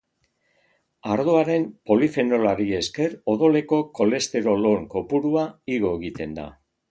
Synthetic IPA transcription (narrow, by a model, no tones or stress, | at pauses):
aɾðoaɾe̞mpo̞life̞no̞laɾie̞ske̞ro̞ðo̞le̞ko̞ko̞le̞st̪e̞ɾo̞lo̞ŋko̞puɾuaiɣo̞eɣit̪e̞nd̪a̰